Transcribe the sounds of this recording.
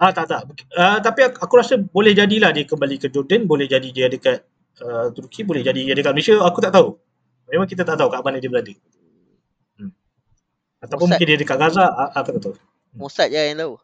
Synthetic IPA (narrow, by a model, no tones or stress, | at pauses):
at̪aʔt̪aʔmuət̪apiaakuɾasəbolɛhd͡ʒadilahdiəkəmbalikəd͡ʒɔrdənbolɛhd͡ʒadidiəadəkat̪̚ | ət̪urkʰibolɛhd͡ʒadiadəkat̪̚məlesiaakut̪aʔt̪au | memãŋkit̪̬at̪aʔt̪aukaʔbanədiəbəladə | at̪awpʊnmukɪndiadəkaʔɡazaakut̪aʔt̪au | osat̪̚ant̪aw